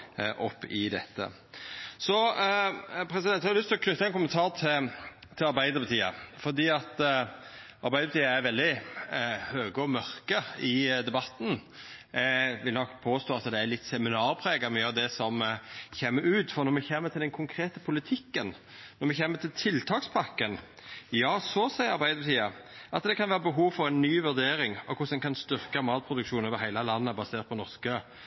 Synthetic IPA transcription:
ʔɔpːɪd̪ɛt̪ːə̰ | sɔ | pʰɾɛsɪd̪ɛnt̪hɑɾlʏst̪ʰɪlɔkʰnʉt̪ːəɛnkʊmənt̪ʰɑːɾt̪ʰɪlt̪ʰɪlɑɾbæɪd̪əpʰɑt̪ʰiːəfɔɾd̪iːɑt̪ | ʔɑɾbæɪəpʰɑt̪iːəæɾʋɛld̪ɪ | høːɡəɔmœɾkəɪd̪ɛbɑt̪ːn̩ | ʋɪlnɔkːpʰoːst̪oːɑt̪d̪ɛælɪt̪ːsɛmɪnɑːɾpʰɾeːɡəɾmɛjøɑɾd̪ɛsɔmçeːmːəɾʉːt̪fɔɾnɔɾmɛçeːmət̪ʰɪld̪ɛnkʰʊŋkʰɾeːt̪əpʰʊlɪt̪ʰɪkːən | nɔɾmɛçeːmət̪ʰɪlt̪ʰɪlt̪ʰɑːkspʰɑkːənjɑːsɔsɛɪɑʁbæɪd̪əbət̪ʰiːɑʔɑt̪d̪ɛkʰɑnʋæːɾəbəɦuːʋfɔɾɛnːyːʋʉɾd̪eːɾɪŋɔkʰʊsɛnkʰɑnst̪ʏɾkəmɑːt̪̚pʰɾʊd̪ʉkʃuːnoøːʋəɾɦæɪlɑlɑnːəbɑseːʁt̪̚pʰɔnɔɾskə

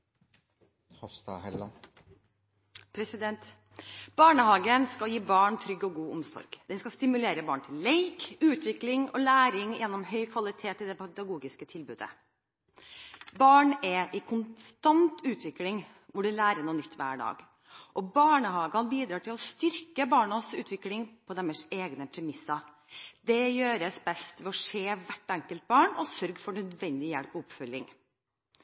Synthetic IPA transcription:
hɑst̪ɑ̰hɛlɑ | pʰɾɛsɪd̪ɛnt̪ | b̥ɑːɳəhɑːɡənskɑljiːbɑːɳt̪ʰɾʏɡːɔɡuːʊmsɔ̰ɾɡ̥d̪̥ɛnskɑst̪ɪmʉleːɾəbɑːɳt̪ʰɪlleɪkʉːt̪ʋɪklɪŋɔ̰læːɾɪŋjɛnːɔmhœʏkʰʋɑlɪt̪ʰeːt̪ɪd̪ɛpʰɛd̪ɑɡuːɡɪskət̪ʰɪlbʉːd̪ə̰ | bɑːɳɛʔɪkʰʊnst̪ɑnt̪ʉːt̪ʰʋɪklɪŋ | ʋʊɖʉlæːɾəɳuːnʏt̪ːʋæ̰ːɖɑ̰ːɡ | ʔɔbɑːɳəhɑːɡɑnbiːd̪ɾɑːʈɪlɔst̪ʏɾkəbɑːɳɑsʉːt̪ʰʋɪklɪŋpʰɔd̪ɛmːəseːɡnəpʰɾɛmɪsːɑ | d̪ɛjøːɾəsbɛst̪ʋɛɔʂeːʋæʈːæŋkəlt̪̚bɑːɳɔsœɾɡfɔɳœd̪ʋɛnd̪ɪjɛlpɔɔpfœlːɪ̰ŋ

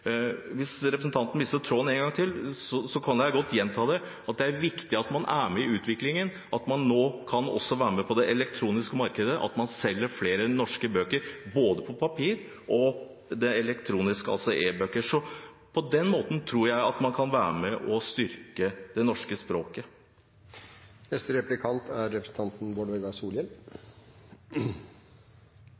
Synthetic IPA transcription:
ʋɪsɾɛpɾəsn̩t̪ʰɑnt̪ən̩ʋɪst̪ət̪ʰɾoːneːŋɡɑŋt̪ʰɪlsɔsɔkʰɑnd̪jæɪɡɔt̪ːjɛnt̪ʰɑːd̪ɛ | ɑt̪̚d̪ɛæɾʋɪkt̪ɪɑt̪mɑnʔæmɛɪʉːt̪ʰʋɪklɪŋən | ʔɑt̪mɑnːoːkʰɑnɔ̰sːɔʋæːɾəmɛpʰɔd̪ɛʔɛlɛkt̪ʰɾuːnɪskəmɑɾkəd̪əʔɑ̰t̪mɑnsɛlːəɾfleːɾənɔʂkəbøːkəɾboːd̪əpʰɔpʰɑpʰiːɾ | ʔɔ | d̪ɛɛlɛkt̪ʰɾuːnɪskəɑ̰lsɔʔeːbøːkəʂɔ | pʰɔd̪ɛnːmoːt̪n̩t̪ʰɾuːɾjæɪɑt̪mɑnkʰɑnʋæːɾəmɛʔɔst̪ʏɾkəd̪̥ɛnɔʂkəspɾoːkə | nɛst̪əɾɛplɪkʰɑnt̪ʰæɾɾɛpɾən̩t̪ʰɑnt̪n̩ʋoːɖʋɛɡ̪ɑsuːlən

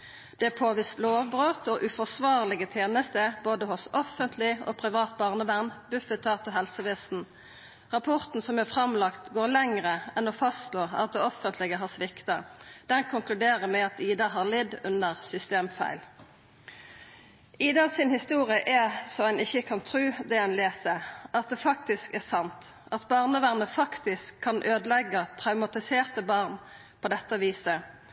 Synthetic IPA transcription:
d̪̥ɛpʰoːʋiːst̪loːʋbʁøːt̪oːʔʉfɔʁsʋɑːʁlɪɡət̪ʰeːnəst̪əboːd̪əɦʊsɔfənt̪ʰlɪo̰ːpʰʁɪʋɑːt̪̚bɑːʁnəʋæʁnːbʉfət̪ʰɑːt̪ɔɦɛlsəʋesn̩ | ʁɑpʰɔʁt̪n̩sɔmɛfʁɑmlɑkt̪ɡoːʁlɛŋʁəɛnoːfɑstloːɑ̰t̪̚d̪ɛɔfənt̪ʰlɪɡəɦɑːʁsʋɪkt̪ɑd̪̥ɛnkʰʊŋklʉd̪eːʁəʁmɛɑt̪iːd̪ɑɦɑʁlɛd̪ʉnəʁsʏst̪eːmfæ̰ɪl | iːd̪ɑsɪnhɪst̪uːʁɪəʔæsɔænɪçəkʰɑnt̪ʰʁʉːd̪ɛɛnleːsəʔɑt̪̚d̪ɛfɑk̚t̪ɪskæʁsɑnt̪ | ɑt̪bɑʁnəʋæʁnəfɑkt̪ɪskʰːɑnʔøːd̪əlɛɡːət̪ʰʁɑʉmɑt̪ɪseːʁt̪əbɑʁn | pʰɔd̪ɛt̪ːɑʋiːsə

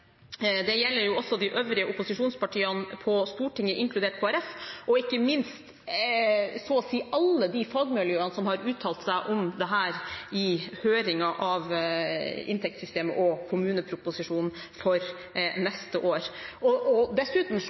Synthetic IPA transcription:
d̪ɛjɛlːəɾjʊɔsːɔd̪ɪʔøːʋɾɪəʔʊpːʊsɪʂuːnspɑʈʰiːɑnpʰɔst̪uːʈɪŋːəʔɪŋkʰlʉd̪eːʈ̚kʰoːæɾɛfʔɔɪkːəmɪnst̪ | sɔsiːɑlːəd̪ifɑɡmɛljøːɾɑnsɔmhɑɾʉːt̪ʰɑːlt̪sæɪʔɔmd̪ɛɦæːɾɪhøːɾɪŋɑʔɑʋ | ɪ̰nt̪ʰɛk̚t̪sʏst̪eːmə̰ʔɔkʰʊmʉːnəpʰɾʊpʊsɪʂuːnn̩ | fɔɾ | nɛst̪əʔoːɾɔɔd̪ɛsʉːt̪m̩

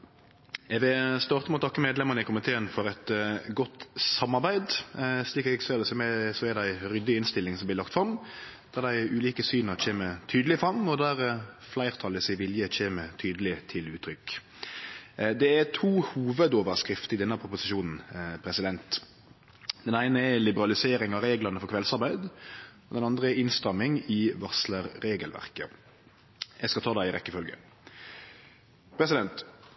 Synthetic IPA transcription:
ɛʋɪlst̪ɑːʁt̪əmɛɔːt̪ʰɑkːəmeːd̪lɛmənəɪkʊmɪt̪ʰeːənfɔɾɛt̪ɡɔt̪sɑmːɑʁbæɪd̪sliːkɛɡsɔɛd̪ɛsɔmɛsɔɛd̪æɪɾʏd̪ːɪɪnst̪ɪlːɪŋsɔmblɪʁlɑkt̪fɾɑmd̪̥æʁd̪æɪʉːliːkəsyːnɑt͡ʃʰeːmət̪ʰyːd̪əlɪfɾɑmːɔd̪æɾflæɪʁt̪ʰɑləsɪʋɪljət͡ʃeːmət̪ʰyːd̪əlɪt̪ʰɪlʉːt̪ʰːɾʏkː | d̪ɛæt̪ʰuːhuːʋəd̪oːʋəʁskɾɪft̪əɾɪd̪ɛnːəpʰʁʊpʊsɪʃuːnn̩pʰɾɛsɪd̪ɛnt̪ | d̪̥ɛnæɪnəɛlɪbəɾɑlɪseːɾɪŋɑɾeːɡlɑnəfɔkʰʋɛlsɑɾbæɪd̪ɔd̪ɛnɑnd̪ʁəɛɾɪnst̪ʁɑmːɪŋɪʋɑsləɾːeːɡəlʋæ̰ʁkə | ɛskɑt̪ʰɑːd̪æɪɪɾɛkːəfœlɡə̰ | pʰɾɛsɪd̪ɛnt̪

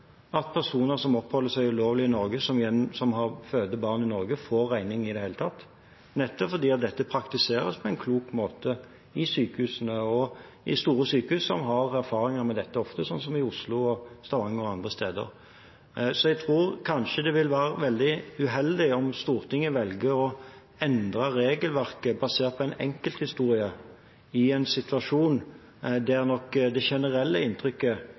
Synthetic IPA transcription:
ɑt̪̚pʰæʁʂuːnəɾsɔmɔpːhɔlːəsæɪʉloːʋlɪɪnɔɾɡəsɔmɪjɛnsɔmɦɑʁføːd̪əbɑːʁnɪnɔɾɡəfoːɾːæɪnɪŋɪd̪ɛheːlət̪ʰɑt̪ː | nɛt̪ːɔfɔd̪iːɑt̪̚d̪ɛt̪ːəpʰɾɑkt̪ɪseːɾə̰spʰɔɛɪnkʰluːkmoːt̪ə | ɪsyːkəhʉːsənəɔ | ɪst̪uːɾəsyːkəhʉːsɔmɦɑʁæʁfɑːɾɪŋəɾmɛd̪ɛt̪ːəɔft̪əsɔnsɔmɪʊslʊɔst̪ɑʋɑŋːəɔɑnd̪ʁəst̪eːd̪ə̰ɾ | sɔɛɡ̚t̪ʰɾuːɾkʰɑnʂəd̪ɛʋɪlʋæːɾəʋɛld̪ɪʉɦɛld̪ɪɔmst̪uːɾt̪ʰɪŋːəʋɛlɡəɔ | ɛnd̪ɾɑɾeːɡəlʋæʁkəbɑseːʁt̪̚pʰɔɛɪnɛ̰ŋkəlt̪hɪst̪uːɾɪə | ɪɛɪnsɪt̪ʉʋɑʂuːn | d̪ɛæʁnɔkd̪ɛʃɛnəɾɛlːəɪnt̪ʰɾʏkːə

